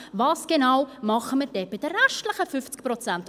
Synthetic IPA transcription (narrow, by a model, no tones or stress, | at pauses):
vɑːsɡ̥enawmɑχəməɾd̥ɛːb̥ɪd̥əːɛʃtləχəfʏft͡sk̚pɾɔt͡sænt